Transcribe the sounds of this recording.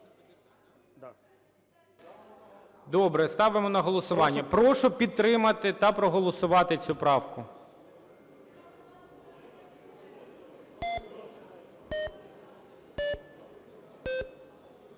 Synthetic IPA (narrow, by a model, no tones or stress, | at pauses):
d̪ɔbɾɛst̪ɑʋemɔnɐɦɔlˠɔsʊʋɑnʲːɐpɾɔʃʊpʲid̪̚t̪ːɾɪmɐt̪ɪt̪ɐpɾɔɦɔlˠɔsʊʋɑt̪ɪt͡sʲupɾɑwkʊ